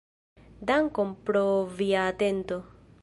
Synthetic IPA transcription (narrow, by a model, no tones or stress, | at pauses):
d̪aŋkompɾoviaːt̪ent̪o